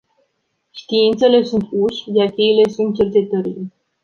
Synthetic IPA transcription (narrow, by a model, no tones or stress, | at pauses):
ʃt̪iint̪se̞le̞sunt̪uʃjarkeile̞sunt̪̚t͡ʃe̞rt͡ʃe̞t̪əɾile